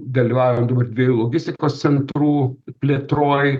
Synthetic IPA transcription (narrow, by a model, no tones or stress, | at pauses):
d̪ɐlʲiːʋɑːʋɪɛmd̪oːbɐrd̪ʲʋʲiejuːlˠoːɡʲɪsʲt̪ʲɪkoːssʲɛnt̪ɾuːpʲlʲeːt̪ɾoːj